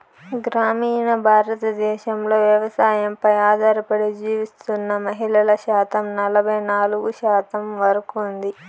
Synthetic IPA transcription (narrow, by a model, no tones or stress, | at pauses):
ɡɾaːmiːnɐbʱaːɾɐt̪ɐd̪ɛːʃɐmlo̞ːʋjɐʋɐsaːjɐmpɐjaːd̪ʱaːɾɐpɐɽid͡ʒiːʋist̪unːɐmɐɦilɐlɐʃaːt̪ɐmnɐlɐbʱɐjnaːluɡuʃaːt̪ɐmʋɐɾɐkund̪i